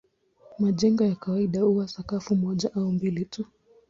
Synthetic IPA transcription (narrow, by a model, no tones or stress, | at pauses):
maʄɛŋɡɔjakawaiɗahuwasakafumɔʄaʔaumbilitu